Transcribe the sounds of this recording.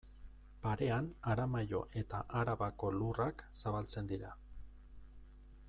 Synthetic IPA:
paɾe̞anaɾamajo̰ʔe̞t̪aʔaɾaβako̞luraksaβalt͡se̞nd̪iɾa

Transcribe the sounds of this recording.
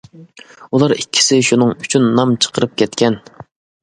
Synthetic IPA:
ulˠɑɾikʲʰːi̥sɪʃunɨŋyt͡ʃʰynːɑmt͡ʃʰə̥qʰəɾɨp̚kʲʰɛt̪kʲʰɛn

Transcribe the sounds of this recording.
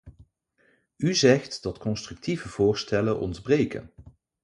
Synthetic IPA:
yzɛχtdɑtkɔnstrɵk̚tʰivəv̥ʊːɹstɛlənʔɔ̰ndbrejkə̰n

